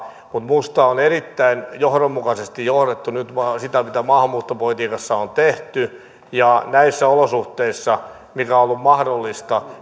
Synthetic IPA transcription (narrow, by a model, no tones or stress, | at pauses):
mut̪must̪ɑonerit̪ːæinjohɾomːukɑsest̪ijjohɾet̪ːunyt̪ʋɑsit̪æmit̪æmɑːhɑmmuːt̪ːopolit̪iːkɑsːɑont̪eht̪y | jɑnæisːæolosuht̪eisːɑ | mikæoolːummɑhdolːist̪ɑ